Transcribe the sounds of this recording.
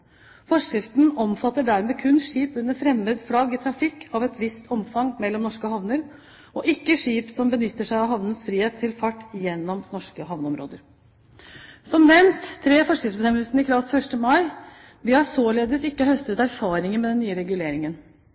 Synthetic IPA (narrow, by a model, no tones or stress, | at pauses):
fɔʂɾɪft̪nɔmfɑt̪ːəɖæɾmeːkʰʉnʂiːpʉnːəɾfɾɛmːəd̪fɽɑɡɪt̪ʰɾɑfɪkʰːɑʋɛt̪ʋɪst̪ʰɔmfɑŋmɛlːɔmnɔʂkəhɑʋnəɾ | ɔʔɪkːəʂiːpsɔmbənʏt̪ːəʂæɪɑʋɦɑʋnənsfɾiːheːt̪ʰːɪlfɑʈːjɛnːɔmnɔʂkəɦɑʋnəɔmɾo̰ːd̪əɾ | sɔmnɛmnt̪ʰːɾeːfɔʂkɾɪft̪sbəsɛməlsnɪkʰɾɑʋfœʂʈəmɑɪ | ʋ̪ɪhɑsoːleːd̪ɪsɪkːəhœst̪ət̪æɾfɑːɾɪŋənmɛd̪ɛnːyːəɾɛɡʉleːɾɪŋən